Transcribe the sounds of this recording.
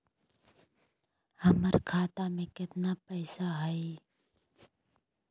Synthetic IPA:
əməɾkʰaːt̪amẽkɪt̪naːpəɪsaɦəe

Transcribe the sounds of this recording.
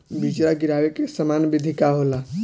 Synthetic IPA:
bit͡ʃɾaɡiɾabekesəmanbid̪ʱikaɦola

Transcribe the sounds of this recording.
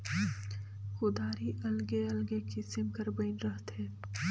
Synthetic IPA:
xʊd̪aːɾiʔɐlɡeɐlɡekisɪmkəɾbɐɪnɾəɦt̪ɦeː

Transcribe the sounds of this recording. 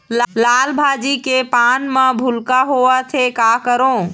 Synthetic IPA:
llaːlbʱaːd͡ʒikepaːnmə̃bʱʊlkaɦoat̪ʰekakəɾõː

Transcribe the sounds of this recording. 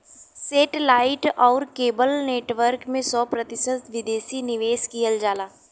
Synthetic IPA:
seːʈlaːɪʈɔːɾkeːbəlneːʈʋəɾkmẽsɔːpɾɐt̪ɪsət̪ʋɪd̪eːsinɪʋeːskijəld͡ʒaːlaː

